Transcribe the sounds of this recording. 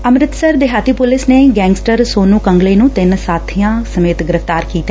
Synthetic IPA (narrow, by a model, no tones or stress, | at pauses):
əmɾɪt̪səɾd̪eɦaːt̪iːpʊlɪsneːɡɛ̃ːŋɡsʈəɾsoːnũːkəŋɡleːnũːt̪ɪnsaːt̪ʰijãːsəmeːt̪ɡɪɾəft̪aːɾkiːt̪aː